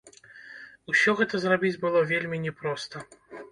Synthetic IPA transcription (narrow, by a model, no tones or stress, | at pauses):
usʲɔɣɛt̪ɐzrabʲid͡zʲbɨlˠɔvʲelʲmʲinʲɛpɾɔst̪ɐ